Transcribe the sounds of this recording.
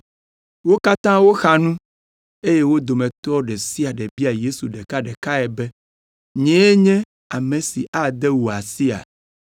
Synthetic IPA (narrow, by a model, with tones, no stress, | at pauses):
wo˦ka˦t̪ã˦wo˦xa˦nũ˦ | e˦je˦wo˦d̪o˨mɛ̃˨t̪ɔ˦ɖɛ˨si˦a˨ɖɛ˨bi˦a˨je˦su˨ɖɛ˨ka˦ɖɛ˨ka˦ɛ˨bɛ˦ | ɲɛ̃˨˦e˦ɲɛ̃˦ | a˨mẽ˨sḭ˨ʔa˦d̪ɛ˦wu˨a˨si˦a̰˨